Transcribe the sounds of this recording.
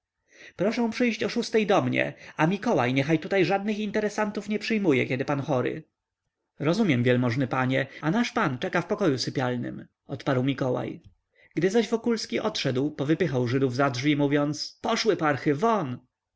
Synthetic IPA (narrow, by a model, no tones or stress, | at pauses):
pɾɔʂɛ̃w̃pʂɘjɕt͡ɕɔʂust̪ɛjd̪ɔmɲɛ̰amʲikɔwa̰jɲɛxajt̪ut̪ajʐad̪̚nɘxint̪ɛɾɛsant̪ufɲɛpʂɘjmujɛkʲɛd̪ɘpanxɔɾɘ̰ | ɾɔzumʲjɛmvʲjɛlmɔʐnɘpaɲɛanaʂpant͡ʂɛkafpɔkɔjusɘpʲjalnɘ̰m | ɔt̪paɾwmʲikɔwa̰j | ɡ̥d̪ɘzaʑvɔkulskʲiʔɔt̪ʂɛd̪wpɔvɘpɘxawʐɘd̪uvzadʐvʲimuvʲjɔnt̪spɔʂwɘpaɾxɘvɔn